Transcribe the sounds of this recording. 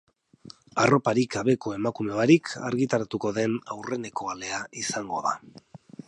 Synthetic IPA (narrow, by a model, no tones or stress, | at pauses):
aro̞paɾiɡaβe̞ko̞e̞makumeaɾikʰa̰ɾɣit̪aɾat̪uko̞ðe̞nawre̞ne̞koale̞aisaŋɡo̞̰ða̰